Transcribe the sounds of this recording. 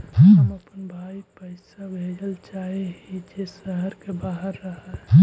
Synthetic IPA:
ɦĩəməpənbʱaipəɪsabʱed͡ʒəlt͡ʃaɦeɦid͡ʒesəɦəɾkebaɦəɾːəɦəĩ

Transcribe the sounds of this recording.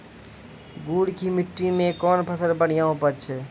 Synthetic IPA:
ɡuːɽkʰimɪʈːimẽkɔːnpʰəsəlpəɽ̤ijãɦopət͡ʃʰ

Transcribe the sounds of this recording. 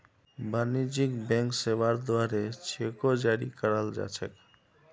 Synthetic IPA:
banid͡ʒikbɛ̃ŋksebaɾd̪waɾet͡ʃʰekod͡ʒaɾikəɾəld͡ʒa̰t͡ʃʰək

